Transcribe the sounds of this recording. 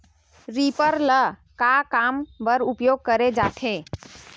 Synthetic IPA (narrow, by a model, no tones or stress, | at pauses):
ɾipəɾləkakambəɾupjoɡ̚kəɾed͡ʒaʈʰe